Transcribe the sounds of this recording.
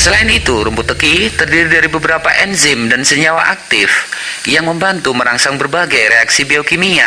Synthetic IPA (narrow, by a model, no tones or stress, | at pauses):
səlaɪnit̪uɾəmput̪əkit̪ərdiɾidaɾibəbəɾapaʔɛnzɪmdansəɲawaʔak̚t̪ɪfjaŋməmbant̪uməɾaŋsaŋbərbaɡajɾeaksibiokimia̰